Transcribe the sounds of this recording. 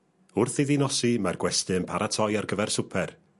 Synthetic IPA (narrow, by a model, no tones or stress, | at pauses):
ʊrθiðinɔsimarɡwɛstɨnpʰaɾatʰɔjarɡəvɛrsʊpʰɛr